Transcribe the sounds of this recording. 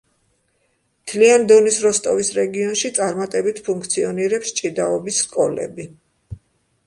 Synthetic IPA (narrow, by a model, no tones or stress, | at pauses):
mt̪ʰliand̪ɔnisɾɔst̪ʼɔvisɾɛɡiɔnʃit̪sʼaɾmat̪ʼɛbit̪ʰpʰuŋkʰt̪sʰiɔniɾɛpst͡ʃʼid̪aɔbisːkʼɔlɛ̰bi